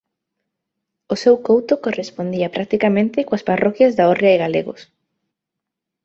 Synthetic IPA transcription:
ʊsewkowt̪okorespond̪iɐpɾak̚t̪ikamẽnt̪ɪkoasparʔɔkjɐzðaorjaɪɣalḛɣʊ̰s

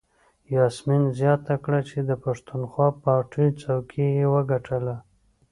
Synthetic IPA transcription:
jɑsminzjɑt̪akɽat͡ʃed̪əpaʂt̪unxwɑpɑɾʈʰajt͡sawkʰijewəɡaʈʰəla

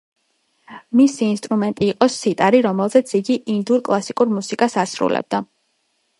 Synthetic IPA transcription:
misiːnst̪ʼɾumɛnt̪ʼiːqʼɔsit̪ʼaɾiɾɔmɛlˠzɛt̪sʰiɡiʔind̪uɾkʼlˠasikʼuɾmusikʼasasɾṵlɛ̰b̚d̪a

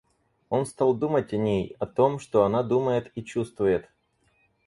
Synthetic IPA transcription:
o̞nst̪alˠd̪umətʲɐnʲejɐt̪o̞mʂt̪o̞ɐnad̪uməjɪt̪it͡ɕust̪vʊjɪt̪

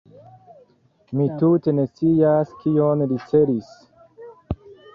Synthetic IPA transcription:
mitute̞ne̞t͡siaskionɾit͡seɾis

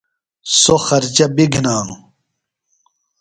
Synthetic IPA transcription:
soxɐɾd͡ʑɐbiɡʱnaːnu

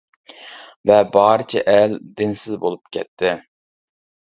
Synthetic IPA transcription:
vɛbɑːɾɨt͡ʃʰɛ̰ʔɛld̪ɪnsɪzbolˠup̚kʲʰɛt̪ʰːɪ

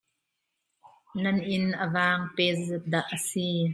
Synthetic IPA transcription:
nɐnʔɪnʔəvaːŋpɛszɛt̪̚d̪aʔːəsi

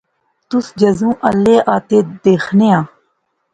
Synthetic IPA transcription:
t̪ʊsd͡ʒəzũːʔəlːeːʔaːt̪eːd̪eːxʰneːãː

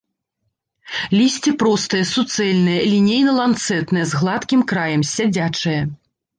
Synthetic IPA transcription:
lʲisʲt͡sʲipɾɔst̪ɨjɐsut̪sɛlʲnɨjɐlʲinʲejnɐlˠant̪sɛt̪nɨjɐzɣlˠat̪kʲimkɾajɐmsʲad͡zʲat͡ʂɨjɐ

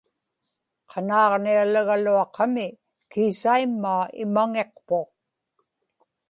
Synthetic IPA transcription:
qʰɑnɑːʁnialaɣaluɑqɑmɪ | kiːsaimːaːɪ̰maŋeqpoq̚

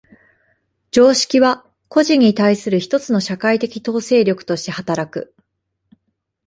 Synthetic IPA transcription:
d͡ʑo̞ːɕi̥kʲiβa | ko̞ʑiɲ̟ːit̪aisɨɾɯ̟çi̥t̪o̞t͡sɨno̞ɕakait̪e̞kʲi̥t̪o̞ːse̞ːɾʲo̞kɯ̟̥t̪o̞ɕi̥t̪e̞hat̪aɾakɯ̟

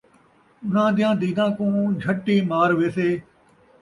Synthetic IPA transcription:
ʊnãːd̪ɪjãːd̪iːd̪ãːkũːd͡ʒʱəʈːiːmaːɾʋeːseː

